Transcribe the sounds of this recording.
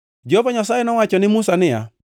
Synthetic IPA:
d͡ʒɔhovaɲasajɛnɔwat͡ʃɔnɪmusanɪja̰

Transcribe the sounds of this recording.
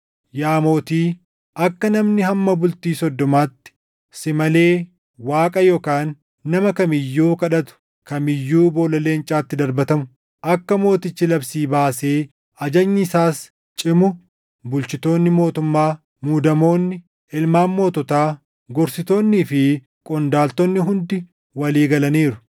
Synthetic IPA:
jaːmo̞ːt̪iː | ʔɐkːɐnɐmnɪhɐmːɐbʊlt̪iːsɔd̪ːɔmaːt̪ːɪ̥ | sɪmɐle̞ː | waːkʼɐjoːkaːnː | ɐmɐkɐmɪjːuːkɐᶑɐt̪ʊ̥ | kɐmɪjːuːbo̞ːlɐle̞ːnt͡ʃʼaːt̪ːɪd̪ɐɾbɐt̪ɐmʊ | ʔɐkːɐmo̞ːt̪ɪt͡ʃːɪlɐbsiːbaːse̞ː | ɐd͡ʒɐɲːɪɪsaːs | t͡ʃʼɪmʊ | bʊlt͡ʃɪt̪o̞ːnːɪmo̞ːt̪ʊmːaː | muːd̪ɐmo̞ːnːɪ | ɪlmaːnmo̞ːt̪ɔt̪aː | ɡɔɾsɪt̪o̞ːnːiːfɪ | kʼɔnd̪aːlt̪ɔnːɪɦʊnd̪ɪ | wɐliːɡɐlɐniːɾʊ

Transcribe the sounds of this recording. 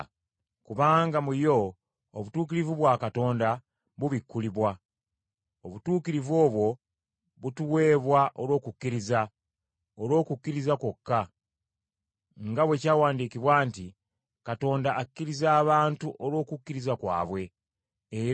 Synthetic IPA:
kuβaːŋɡamujo̞ː | βutuːkiɾivuβwaːkato̞ːnda | βuβikʰːuliβwa | oβutuːkiɾivo̞ːβwo̞ | βutuwe̞ːβwaʔolo̞ːkukːiɾiza | olo̞ːkukːiɾizako̞kːa | ŋɡaβwe̞caːwaːndikiβwaːnti | kato̞ːndaʔːkːiɾizaːβaːntuʔolo̞ːkukːiɾizakwa̰ːβwe̞ː

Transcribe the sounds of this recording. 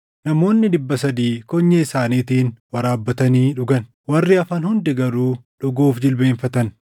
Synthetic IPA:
nɐmo̞ːnːɪd̪ɪbːɐsɐd̪iːkɔɲːɐɪsaːniːt̪iːnwɐɾaːbːɐt̪ɐniːᶑʊɡɐn | wɐrːɪɐfɐnhʊnd̪ɛɡɐɾuːᶑʊɡuːfd͡ʒɪlbeːɱfɐt̪ɐn

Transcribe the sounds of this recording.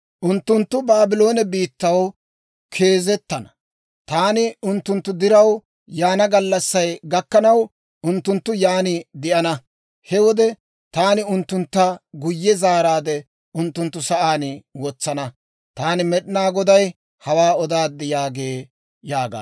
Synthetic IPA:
ʔʊnt̪ːʊnt̪ːʊbaːbɪlo̞ːnɛbiːt̪ːɐw | kʰe̞ːzɛt̪ːɐnɐ̥ | t̪aːnɪʊnt̪ːʊnt̪ːʊd̪ɪɾɐw | jaːnɐɡɐlːɐsːɐjɡɐkːɐnɐw | ʔʊnt̪ːʊnt̪ːʊjaːnɪd̪ɪʔɐnɐ | hɛwɔd̪ɛ | t̪aːnɪʊnt̪ːʊnt̪ːɐɡʊjːɛzaːɾaːd̪ɛ | ʔʊnt̪ːʊnt̪ːʊsɐʔaːnwɔt͡sːɐnɐ | t̪aːnɪmɛɗɪnaːɡɔd̪ɐj | hɐwaːɔd̪aːd̪ːɛjaːɡeː | jaːɡa̰ː

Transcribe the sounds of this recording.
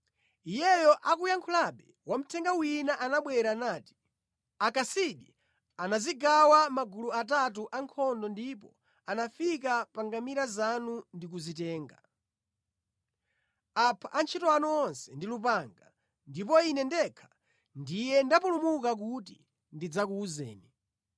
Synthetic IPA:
ijɛjɔʔakujaŋkʰulaɓɛ | wam̩tʰɛŋɡawinaʔanaɓwɛɾanaːti̥ | akasiɗi | anaziɡawamaɡuluat̬at̬uʔaŋkʰɔndɔndip̬ɔ | anafik̬apaŋɡamiɾazanundik̬uzitɛːŋɡa | apʰaʔant͡ʃʰitɔanuɔnsɛndilup̬aŋɡa | ndip̬ɔinɛndɛkʰḁ | ndijɛndapulumukak̬utḭ | ndid͡zakuːzɛ̰ːni

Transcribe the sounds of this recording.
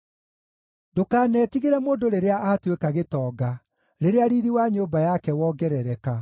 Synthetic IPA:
dokaːnɛːtiɣeɾɛmoːndoɾeɾeaʔaːtwekaɣetɔːɡa | ɾeɾeaɾiːɾiwaɲoːbajakɛwɔːɡɛɾɛɾɛka

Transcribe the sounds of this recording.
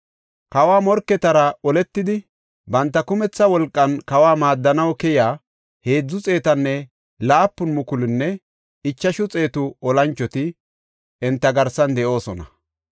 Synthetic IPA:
kɐwaːmɔɾkːɛt̪ɐɾɐɔlɛt̪ːɪd̪ɪ | bɐnt̪ːɐkʊmɛt͡sːɐwɔlkʼːɐnkɐwaːmaːd̪ːɐnɐwkɛjaː | he̞ːd͡zːʊt͡sʼe̞ːt̪ɐnːɛ | laːpːʊnmʊkʊlɪnːɛ | ɪt͡ʃːɐʃʊt͡sʼe̞ːt̪ʊɔlɐnt͡ʃːɔt̪ɪ | ɛnt̪ːɐɡɐɾsɐnd̪ɛʔo̞ːsɔnɐ

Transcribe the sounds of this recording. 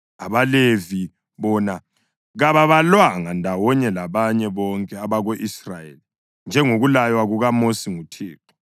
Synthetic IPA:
aβalevi | βɔna | ɣaβaβalwaŋandʱawɔɲɛlaβaɲɛβɔŋkʼɛaβaɣoʔisrajḛli | nd͡ʒʱɛŋoɣulajwaɣuɣamosiŋutʰiːtʰɔ̥

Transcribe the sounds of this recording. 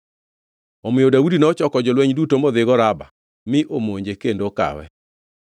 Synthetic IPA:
omɪjodaudinɔt͡ʃɔkɔd͡ʒɔlwɛɲdutomoðɪɡɔɾaba̰ | mɪʔomoɲd͡ʒekendoka̰wɛ̰

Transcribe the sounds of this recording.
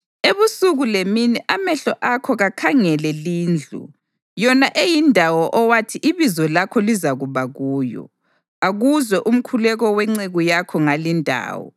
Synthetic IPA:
eβusuɣuleminiʔamɛɬɔʔakʰɔɣakʰaŋɛlɛliːnd͡ɮʱṵ | jɔnaʔejindʱawɔʔɔwatʰiʔiβizɔlakʰɔlizaɣuβaɣuːjɔ̰ | aɣuzwɛʔum̩kʰulɛɣɔwɛŋ͡ǀeɣujakʰɔŋalindʱa̰ːwɔ̰

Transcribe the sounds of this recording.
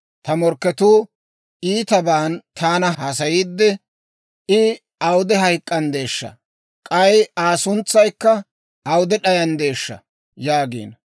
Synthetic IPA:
t̪ɐmɔɾkːɛt̪uː | ʔiːt̪ɐbaːnt̪ʰaːnɐɦɐs̬ɐjiːd̪ːɛ | ʔɪ | ɐwd̪ɛɦɐjkʼːɐnd̪e̞ːʃːɐ̰ | kʼɐjaːsʊnt͡sːɐjkːɐ | ɐwd̪ɛɗɐjɐnd̪e̞ːʃːɐ̰ | jaːɡḭːn

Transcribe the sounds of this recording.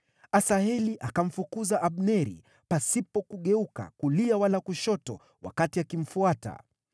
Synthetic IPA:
asaɛliʔakaɱ̩fukuzaʔaɓnɛɾḭ | pasipɔkuɠɛuka̰kuliawalakuʃɔtɔ̰ | wa̰katiakim̩fuata̰

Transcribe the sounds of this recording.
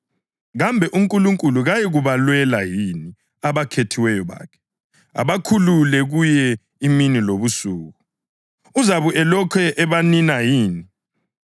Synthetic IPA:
ɣambʱɛʔuŋkʼuluŋkʼuluɣajiɣuβalwɛlajini | aβakʰetʰiwɛjɔβa̰ːkʰɛ̥ | a̰βakʰululɛɣujɛ | iminiloβusuːɣu | uzaβuʔɛlɔkʰɛʔɛβaninajiːni

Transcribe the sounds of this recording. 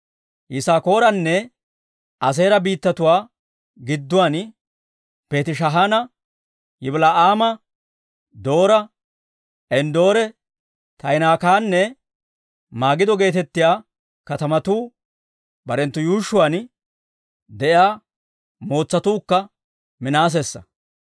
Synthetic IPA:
jɪsaːko̞ːɾɐnːɛ | ɐs̬e̞ːɾɐbiːt̪ːɐt̪ʊwaː | ɡɪd̪ːʊwaːn | peːt̪ɪʃ̬ɐɦaːnɐ | jɪblaːʔaːmɐ | d̪o̞ːɾɐ | ʔɛnd̪o̞ːɾɛ | t̪ɐjnaːkaːnːɛ | maːɡɪd̪ɔɡe̞ːt̪ɛt̪ːɪjaː | kɐt̪ɐmɐt̪uː | bɐɾɛnt̪ːʊjuːʃːʊwaːn | d̪ɛʔjaː | mo̞ːt͡sːɐt̪uːkːɐ | mɪnaːs̬esːɐ̰

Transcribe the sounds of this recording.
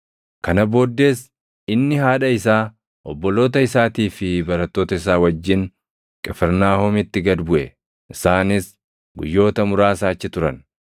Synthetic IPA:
kɐnɐbo̞ːd̪ːe̞ːs | ɪnːɪɦaːᶑɐɪsaː | ʔɔbːɔlo̞ːt̪ɐɪsaːt̪iːfɪbɐɾɐt̪ːo̞ːt̪ɐɪs̬aːwɐd͡ʒːɪn | kʼɛfɛɾnaːhɔmɪt̪ːɪɡɐd̪bʊʔɛ | ʔɪsaːnɪs | ɡʊjːo̞ːt̪ɐmʊɾaːsaːt͡ʃːɪt̪ʊɾɐn

